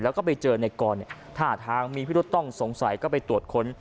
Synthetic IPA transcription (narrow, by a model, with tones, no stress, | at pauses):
lɛː˦˥wkɔː˥˩pa˧jt͡ɕɤː˧na˧jkɔː˧nːi˨˩t̪ʰaː˥˩t̪ʰaː˧ŋmiː˧pʰi˥˩˦t̪ːɔ˥˩ŋso˩˦ŋsa˨˩˦jkɔː˥˩pa˧jt̪u˨˩t̪̚kʰo˦˥n